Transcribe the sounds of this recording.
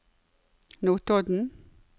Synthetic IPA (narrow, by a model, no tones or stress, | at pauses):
noːt̪ɔd̪n̩